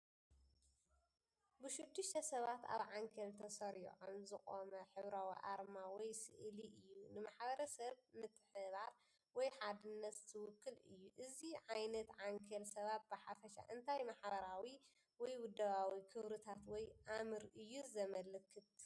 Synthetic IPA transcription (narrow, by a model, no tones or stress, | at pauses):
bɨʃɪd̪ːɨʃt̪ʰɐsɐβat̪a̰βʕaŋkʰɐlt̪ʰɐsɐɾḭʕonzɨkʼomɐħɨβɾawḭʔaɾmawɔjsɨ̰ʔliʔɨjːunɨmaħbɐɾɐsɐβmɨt̪ʰʼːħɨβaɾ | wɔjħad̪ɨnːɐt̪t̪ʰɨwʊkʰːɨlɨ̰jːuʔɨziʕajnɐt̪ʕaŋkʰɐlsɐβat̪̚bɨħafɐʃa̰ʔɨnt̪ʰajmaħbɐɾawi | wɔjwʊd̪ːɐβawikʰɨβɾɨt̪ʰat̪wɔjʔamɨɾɨjːuzɐmɐlɨkʰːɨt̪